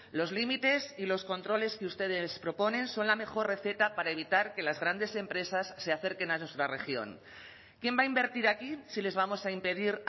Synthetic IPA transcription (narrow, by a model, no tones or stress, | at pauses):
lo̞zlimit̪e̞silo̞sko̞nt̪ɾo̞le̞skeust̪e̞ð̞espɾo̞po̞nẽ̞nso̞nlame̞xo̞rre̞θe̞t̪apaɾaeβ̞it̪aɾke̞lazɣɾand̪e̞se̞mpɾe̞sasːeaθe̞ɾke̞nanwest̪ɾare̞̰xjo̞̰ŋ | kje̞mbaimbe̞ɾt̪iɾakisile̞zβamo̞saimpe̞ð̞iɾ